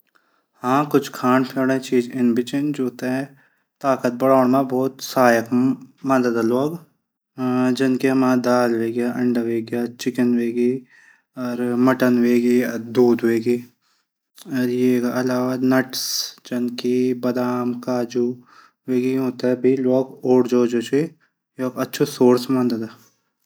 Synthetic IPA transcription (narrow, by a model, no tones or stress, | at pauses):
hãːkʊt͡ʃʰkʰaːnpʰeːɽɛ̃t͡ʃiːd͡ʒɪnbɪt͡ʃɪnd͡ʒoːt̪eɦɛ̃ | t̪aːkət̪̚bɐɽaːɳmãbɔːt̪saːjəkmɐd̪əd̪loːɡ | d͡ʒɐnkiɦɐmaːd̪aːlʋeːɡjaʔɐ̃ɳɖaʋeːɡjat͡ʃɪkənʋeːɡi | ɔːɾmɐʈənʋeːɡid̪uːd̪ʋeːɡiː | ɔːɾjekaʔɐlaːʋanɐʈsd͡ʒɐnkibɐd̪aːmkaːd͡ʒu | ʋeːɡiɦoːt̪aɦɛbʱilɔːɡoːɽd͡ʒoːd͡ʒoːt͡ʃʰi | joːɡɐtːʃʰosoːɾsmɐnd̪əd̪ɛ